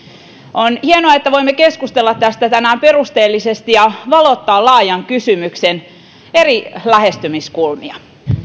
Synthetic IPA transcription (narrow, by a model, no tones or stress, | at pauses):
ʔonhienoɑet̪ːæʋoimːekeskust̪elːɑt̪tæst̪æt̪ænæːmperust̪eːlːisest̪ijɑʋɑlot̪ːɑːlɑːjɑŋkysymyksen | erilæhest̪ymiskulmiɑ